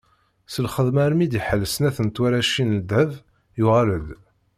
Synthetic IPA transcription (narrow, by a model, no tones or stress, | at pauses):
səlχəðmæɾmid̪iħəlːəsnæθənt̪wæɾæʃinəld̪əv | juʁæləd̪